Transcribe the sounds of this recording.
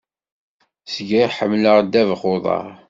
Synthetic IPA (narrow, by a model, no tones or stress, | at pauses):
sɡiħəmləʁd̪ːævχoðˤɑ̰ʁ